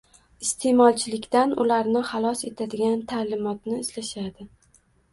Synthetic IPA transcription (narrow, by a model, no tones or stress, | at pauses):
ɪst̪ʰe̞mɒlˠt͡ʃʰɪlɪkʲt̪anʊlaɾnɪχɑlˠɒse̞t̪ʰad̪ɪɡʲant̪ʰalɪmɒt̪nɪːslaʃad̪ɪ